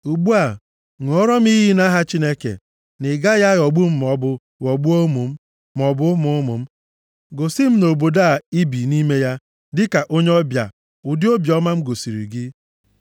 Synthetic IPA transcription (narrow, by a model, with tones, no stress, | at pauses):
u˨ɡ͡bu˦a˨ | ŋ˨ɔ˦ɾɔ˦m̩˦i˦ɦi˦na˦ɦa˦t͡ʃi˦ne˦kḛ˨ | nɪ˨ɡa˦ja˦ɣɔ˨ɡ͡bu˦m̩˦m˨ɔ˦bʊ˦ | wɔ˨ɡ͡bu˦o˦mu˨m̩˦ | m˨ɔ˨bʊ˦mʊ˨˦ʊ˦mʊ̰˨m̩˦ | ɡo˨si˦m̩˦no˨bo˨da˦a˨i˦bi˨ni˦me˦ja˦ | dɪ˦ka˨ʔo˦ɲe˦ɔ˦bja̰˨ | ʊ˨dɪ˦o˦bjɔ˦ma˦m̩˦ɡo˨si˨ɾḭ˨ɡɪ˦